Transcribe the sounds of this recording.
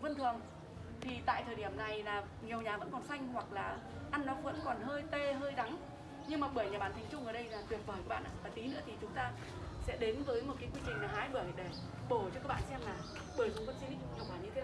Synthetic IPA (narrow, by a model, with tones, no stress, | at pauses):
və˧nt̪ʰɨ˨˩əŋ | t̪ʰi˨˩t̪a̰ː˧˨jt̪ʰəː˨˩ɗi˧˩əmna˨˩jlaː˨˩ | ɲi˨˩əwɲaː˨˩və̰˧˥nkɔ˨˩nsa˧jŋ̟hwa˨˩k̚laː˨˩ | ʔa˧nːɔ˨˦və̰˧˥nkɔ˨˩nhəː˧jt̪e˧ɦəː˧jɗa˨˦ŋ | ɲɨ˧ŋmaː˨˩ɓəː˧˩jɲaː˨˩ɓaː˧˩nt̪ʰɛ˨˩jŋ̟t͡ɕʊ˧ŋ͡mʔəː˧˩ɗə˧jlaː˨˩t̪wi˨˩t̚vəː˨˩jkaː˨˦˥ɓ̰ːʔa̰ː˧˨vaː˨˩t̪i˨˦nɨ̰˧˥ət̪ʰi˨˩t͡ɕʊ˨˦ŋ͡mt̪aː˧ | sɛ̰˧˥ɗe˨˦nvəː˨˦jmo˨˩t̚ka˨˦jkwi˧t͡ɕï˨˩ŋ̟laː˨˩ɦaː˨˦jɓəː˧˩jɗe˧˩ | ɓo˧˩t͡ɕɔ˧kaː˦˥ɓa̰ː˧˨nsɛ˧mːaː˨˩ | ɓəː˧˩jsʊ˨˩ŋ͡mkɔ˨˦t͡ɕi˧ni˧˦˧wkaː˧˩ɲɨ̰˧tʰː